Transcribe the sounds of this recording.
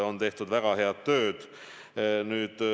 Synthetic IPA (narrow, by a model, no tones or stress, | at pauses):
o̞nt̪e̞ht̪ud̪væɡ̥ɑheɑt̪t̪ːø̞ːd̪̥ | nyːd̪̥